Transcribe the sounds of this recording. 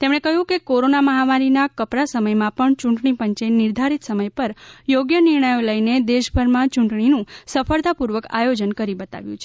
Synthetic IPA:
t̪emɳ̃ekəɦjũkekoɾonaməɦamaɾinakəpɾasəməjmãpəɳt͡ʃũɳʈɳipəɲt͡ʃenɪɾd̪ʱaɾit̪səməjpəɾjoɡjənɪɾɳəjoləjned̪eʃbʱəɾmãt͡ʃuɳʈɳinũsəfəɾt̪apuɾʋəka̰jod͡ʒənkəɾibət̪a̰ʋjṵ̃t͡ʃʰe̥

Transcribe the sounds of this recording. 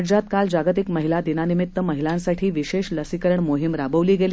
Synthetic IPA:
ʈd͡ʑat̪kald͡ʑaɡət̪ikməɦilad̪inanimit̪ːəməɦilãnsaʈʰiːʋiɕeɕləsikəɾəɳmoɦimɾabəʋliːɡel

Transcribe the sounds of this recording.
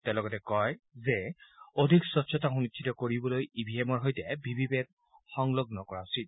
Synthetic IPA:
tɛlɔɡɔtɛkɔjzɛodʱiksɔtsʰɔtaxunikʰːitɔkoɹibɔlojibʱiemɔɹɦojtɛbʱibʱibɛt̚ | xɔŋlɔɡnɔkɔɹausit̚

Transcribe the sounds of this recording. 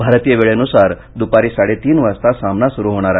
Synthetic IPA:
bʱaɾt̪ijəʋeɭeənusaɾ | d̪upaɾiːsaɽet̪iːnʋəst̪asamnasuɾuɦoɽ̃aɾa

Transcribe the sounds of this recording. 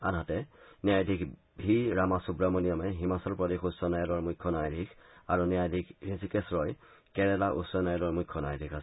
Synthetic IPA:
a̰nɦatɛniajdʱik | ɦiɹamasubɹamɔnijɔmɛɦimasɔɹpɹɔdexusɔnajɔlɔɹmujkʰːɔnajdʱikʰaɹuniajdʱikhisikɛsɹɔj | kɛɹɛlaʔṵsɔnajɔlɔɹmujkʰːɔnajdʱikʰas

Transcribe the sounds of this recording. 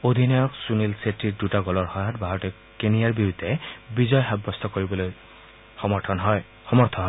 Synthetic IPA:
od̪ʱinɔjɔksunilsetːiɹdutaɡɔlɔɹxɔjɔtbʱaɹɔtɛ | kenijaɹbiɹud̪ʱːɛbizɔjɦabːɔstʰɔkoɹibɔloj | xɔmɔɹtʰɔnɦɔj | xɔmɔɹt̪ʰɔɦɔj

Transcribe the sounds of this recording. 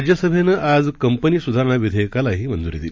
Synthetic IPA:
d͡ʑjəsəbʱenəʔad͡zkəmpəniːsud̪ʱaɾəɳ̃aʋid̪ʱəjkalaɦiːmənd͡zuɾid̪il

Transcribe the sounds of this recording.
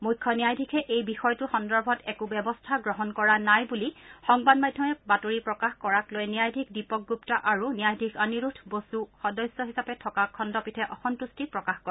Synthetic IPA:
mujkʰːɔnijajdʱikʰɛʔejbixɔjtuxɔndɔɹbʱɔtɛkʊbɛbɔstʰaɡɹɔɦɔnkɔɹanajbulixɔŋbadmadʱːɔmɛbatoɹipɹɔkaxkɔɹaklojnijajdʱik̚dipɔk̚ɡuptaʔaɹunijajdʱikʰaniɹutʰbosuxɔdɔjsjɔɦisapɛtʰɔkakʰɔndɔpitʰɛʔɔxɔntustipɹɔkaxkɔ

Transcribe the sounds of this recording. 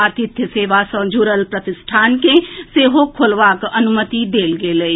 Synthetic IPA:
at̪ɪt̪ʰjseːʋasə̃d͡ʒuːɾəlpɾət̪ɪsʈʰaːnkẽːseːɦokʰʊlʋaːkənʊmət̪id̪eːlɡeːləiː

